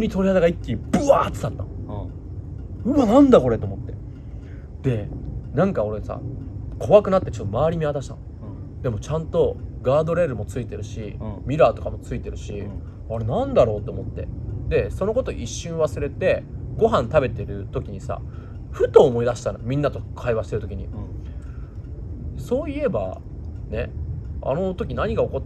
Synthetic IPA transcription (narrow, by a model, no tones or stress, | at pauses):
ɲ̟it̪o̞ɾʲihad̪aɡaikʲːib̥ɯ̟aːtɨ̥t̪at̪ːã̰n | ɯ̟anãnd̪ako̞ɾe̞t̪oomot̪ːe̞ | d̪̥e̞nãŋkao̞ɾe̞sa̰kʰo̞βakɯ̟nat̪ːe̞t͡ɕo̞t̪ːo̞maβaɾʲimʲiβat̪aɕi̥t̪ã̰n | d̪e̞mo̞t͡ɕãnt̪o̞ɡaːd̪o̞ɾe̞ɾɯ̟mo̞t͡sɨit̪e̞ɾɯ̟ɕimʲiɾaːt̪o̞kamot͡sɨit̪e̞ɾɯ̟ɕi | aɾe̞nãnd̪aɾo̞ːt̪ːeomo̞t̪ːe̞̰d̪e̞so̞no̞ko̞t̪o̞ʔiɕːɨ̃ɰ̃βasɨɾe̞t̪e̞ɡo̞ɦãnt̪abe̞t̪e̞ɾɯ̟t̪o̞kʲiɲ̟isa̰ | ɸɯ̟t̪o̞ːmo̞id̪aɕi̥t̪ano̰jomʲĩnːat̪o̞kʰaiβaɕi̥t̪e̞ɾt̪okʲiɲ̟ḭ | so̞ːie̞ba̰ | ne̞̰a̰no̞t̪o̞kʲinaɲ̟iɡao̞ko̞t̪ː